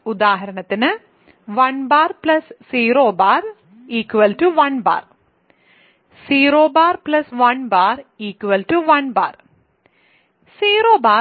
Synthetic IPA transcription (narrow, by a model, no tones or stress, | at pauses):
ud̪aːɦɐɾɐɳɐt̪ːinɨ | ʋɐɳbaːrplɐssiːroːbaːr | iːkːʋɐlʈuʋɐnba̰ːr | siːɾoːbaːrplɐsʋɐnbaːriːkʋɐlʈuʋɐnba̰ːr | siːɾoːbaː